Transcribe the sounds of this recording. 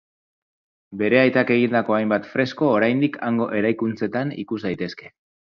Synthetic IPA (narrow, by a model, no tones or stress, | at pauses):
be̞ɾe̞ajt̪ake̞ɣind̪ako̞ajmbat̪fɾe̞sko̞ːɾajnd̪ikʰaŋɡo̞ʔe̞ɾajkunt͡se̞t̪anḭkusd̪ajt̪e̞ske̞